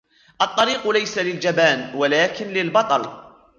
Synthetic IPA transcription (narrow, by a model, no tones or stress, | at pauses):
ʔɑt̪ˤːɑɾiːqlajsalɪld͡ʒabaːnwalaːkɪnlɪlbɑt̪ˤɑl